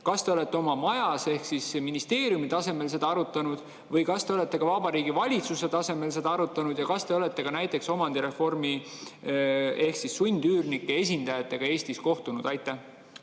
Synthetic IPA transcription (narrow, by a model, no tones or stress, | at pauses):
kɑst̪e̞ole̞t̪ːˑe̞o̞mɑmɑjɑse̞hksisminist̪e̞ːɾjumit̪ɑse̞me̞lse̞d̪̥ɑɑɾut̪ːˑɑnud̪̥ | vɤjkɑst̪e̞o̞le̞t̪ˑːe̞kɑvɑbɑɾiːɡ̥ivɑlʲit̪suse̞t̪ɑse̞me̞ls̬e̞d̪ɑɑɾut̪ːˑɑnud̪̥jɑkɑst̪e̞o̞le̞t̪ːˑe̞ɡɑnæjt̪ːˑe̞kso̞mɑnd̪iɾe̞fo̞rmi | e̞hksisːunʲd̪yːrnikːee̞s̬ʲind̪̥ɑjɑt̪ːˑe̞ɡ̥ɑe̞ːsʲt̪isko̞ht̪unud̪ɑjt̪ːˑæh